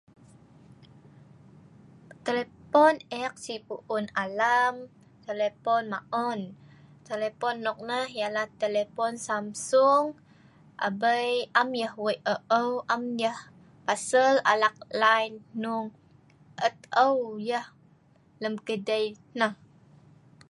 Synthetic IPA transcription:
t̪elepɔnɛk̚sipuʔunalam | t̪elepɔnmaʔɔnt̪elepɔnːɔk̚nəhjalaht̪elepɔnsamsuŋ | ʔa̰bəjamjəhwəjʔəʔəwʔamjəh | pasəla̰lak̚lajnːuŋ | ʔət̪̚əwjəh | ləmkədəj | nəh

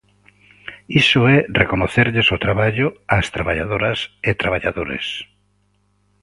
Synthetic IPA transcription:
isoɛrekonoθeɾʎesot̪ɾaβaʎʊast̪ɾaβaʎaðoɾɐsɪt̪ɾaβaʎaðoɾḛs

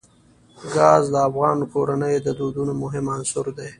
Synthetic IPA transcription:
ɡɑzd̪əafɣɑːnkoɾanəjd̪əd̪od̪unomʊɦɪmansʊɾd̪e

